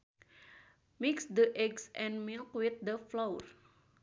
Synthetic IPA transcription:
miksdəʔɛɡsʔɛ̃nmilkwit̪̚dəflowər

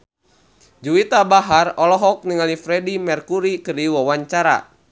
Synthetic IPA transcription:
d͡ʒuwit̪abaɦarɔlɔɦɔk̚niŋalifɾɛdimɛrkuɾikɨrdiwawaɲt͡ʃaɾa̰

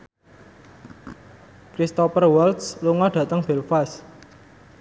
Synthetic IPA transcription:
kɾist̪ɔpərwɛlt̪sluŋɔɖ̥ä̤t̪əŋb̥elfas

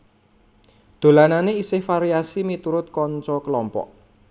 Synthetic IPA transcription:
d̪̥o̤lananeisɪhfaɾiasimit̪uɾʊt̪̚kɔɲt͡ʃɔkəlɔmpɔ̰ʔ

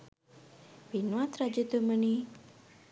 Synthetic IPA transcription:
binwat̪ɾad͡ʒət̪əməni

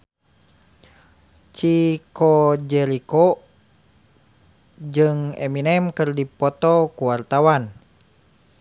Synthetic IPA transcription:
t͡ʃikod͡ʒɛlikɔ | d͡ʒɨŋɛ̰minɛmkɨrdipɔt̪ɔkuwart̪awan

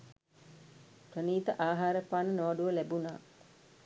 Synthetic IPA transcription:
prəniːt̪əʔaːɦaːɾəpaːnənoʋaɖuʋəlæbuna̰ː

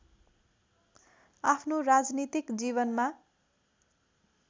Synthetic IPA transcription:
apʰnorad͡znit̪ikd͡zibʌnma

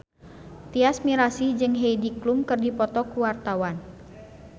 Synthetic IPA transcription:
t̪iasmiɾasid͡ʒɨŋɦeidiklumkɨrdipɔt̪ɔkuwart̪awan

